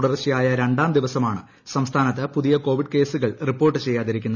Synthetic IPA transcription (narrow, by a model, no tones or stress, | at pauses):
ɽɐrɕijaːjɐɾe̞ɳɖaːmd̪iʋɐsɐmaːɳɨ | sɐmst̪ʰaːnɐt̪ːɨpuðijɐko̞ːʋiɖke̞ːsuɣɐɭripːo̞ːrʈːɨt͡ɕe̞jːaːðiɾikʲːunːɐ